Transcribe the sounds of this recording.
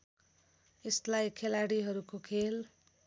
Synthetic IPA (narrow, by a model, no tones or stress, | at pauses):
eslajkʰelaɽiɦʌɾukokʰel